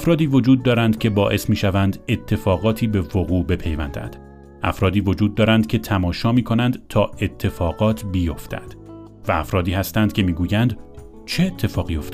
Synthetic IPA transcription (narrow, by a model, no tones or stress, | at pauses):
æfɾɒːd̪iːvo̞d͡ʒuːd̪ːɒːɾænd̪cʰʲe̞bɒːʔe̞smiːʃævænd̪e̞t̪ʰːe̞fɒːɣɒːt̪ʰiːbe̞voɣuːbe̞pʰe̞jvænd̪æ̰nd̪̥ | ʔæfɾɒːd̪iːvo̞d͡ʒuːd̪ːɒːɾænd̪̚cʲʰe̞t̪ʰæmɒːʃɒːmiːkʰo̞nænd̪t̪ʰɒːe̞t̪ʰːe̞fɒːɣɒːt̪ʰbijo̞ft̪æ̰d̪̥ | vææfɾɒːd̪iːhæst̪ænd̪̥̚cʲʰe̞miːɡuːjænd̪ | t͡ʃʰeːt̪ʰːe̞fɒːɣiːjo̞ft̪e